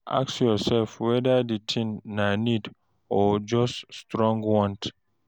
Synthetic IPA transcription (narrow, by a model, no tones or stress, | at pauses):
a̰ksjɔsɛlfwɛdaditʰĩnːanid | ɔd͡ʒɔsːtɹɔ̃ŋɡwɔ̃nt